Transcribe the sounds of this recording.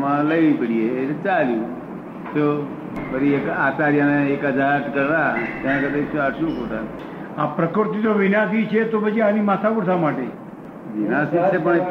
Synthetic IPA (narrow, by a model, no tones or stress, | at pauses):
mãləjʋipəɽiet͡ʃaljũ | t̪o | bəɾiekaːt͡ʃaɾjaneekəd͡ʒʱaʈkəɾt̪at̪ãnẽkəd̪eʃuaɾʃũkot̪a | apɾəkəɾt̪it̪oʋɪnasit͡ʃʰet̪opəd͡ʒianimat̪ʰapəɾsamaʈe | ʋinasit͡ʃʰepəɳe